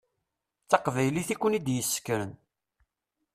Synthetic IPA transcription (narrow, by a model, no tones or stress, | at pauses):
t͡sːɑqvæjliθikʷːənid̪jəsːə̥kːɾən